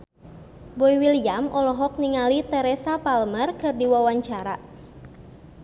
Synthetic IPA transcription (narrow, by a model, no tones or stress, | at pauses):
boiwilijamʔɔlɔɦɔk̚niŋalit̪ɛɾɛsapalmərkɨrdiwawaɲt͡ʃaɾa